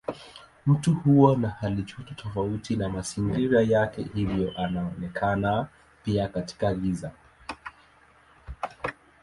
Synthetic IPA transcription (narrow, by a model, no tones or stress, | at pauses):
m̩tuhuanahalit͡ʃututʰɔfautinamasiŋɡiɾajakɛ̰hivjɔʔanaɔnɛkʰana | piakati̥kaɡiza